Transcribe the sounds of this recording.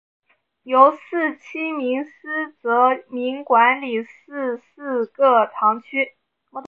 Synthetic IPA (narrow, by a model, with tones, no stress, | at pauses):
jo˧˥ʊsɹ̩˥˩t͡ɕʰi˥mi˧˥ŋsɹ̩˥t͡sɤ˧˥mi˧˥ŋkwa˧˥nli˨˩sɹ̩˥˧sɹ̩˥˧kɤ˥˩t̪ʰɑ˧˥ŋt͡ɕʰy˥ | m˧˥